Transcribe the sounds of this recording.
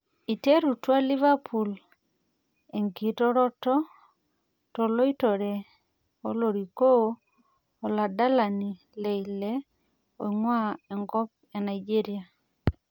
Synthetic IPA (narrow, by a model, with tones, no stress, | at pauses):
i˨te˦ɾu˨twa˦li˦va˦pʰu˨l | e˨ŋɡi˨tɔ˦ɾɔ˦tɔ˦ | tɔ˨lo˦i˦tɔ˨ɾɛ˨ | o˦lo˨ɾi˨koː˦˨ | la˨da˦la˨ni˨ | le˨ile˦ | o̰˨iŋwa˦ɛ˨ŋɡɔ˦p̚ | e˨na˨id͡ʒe˦ɾia˨